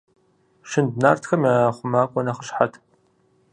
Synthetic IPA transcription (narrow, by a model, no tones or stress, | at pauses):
ʃɪndnaːrtxɐmjaχʷʊmaːkʷʼɔnɐχəɕħatʰ